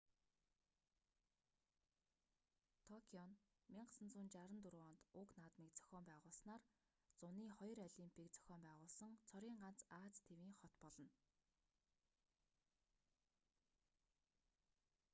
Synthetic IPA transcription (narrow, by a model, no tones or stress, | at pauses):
t̪ʰɔkʲʰiɔn | miɴɢsə̆nt͡sunt͡ɕaɾə̆nt̪uɾɔnt̪ʊknaːt̪mikt͡sœ̥xʲɔːmpæːʁʊːɮsnaːr | t͡sʊniːχɔj̆rɔɮiːmpʰikt͡sœ̥xʲɔːmpæːʁʊːɮsə̆ŋt͡sʰɔɾʲiːŋɢan̥t͡saːt͡st̪ʰewiːŋχɔt̪pɔɮɞ̆n